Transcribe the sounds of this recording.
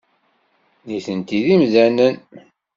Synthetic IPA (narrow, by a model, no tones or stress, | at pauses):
niθənt̪iðimðænən